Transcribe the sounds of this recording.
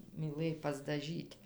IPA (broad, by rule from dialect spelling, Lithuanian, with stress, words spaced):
mʲiːˈlˠɘj pɐzdɐˈʒʲiːtʲ